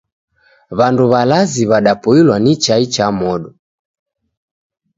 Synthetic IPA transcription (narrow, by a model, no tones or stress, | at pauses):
βanduβalaziβaɗapɔilwanit͡ʃait͡ʃamɔɗɔ